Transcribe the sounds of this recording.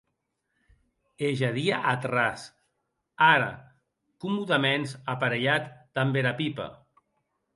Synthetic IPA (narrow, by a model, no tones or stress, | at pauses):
eʒaðiaʔat̪ras | aɾa̰ | kumuðamenzapaɾeʎat̪d̪̥ambeɾapipa̰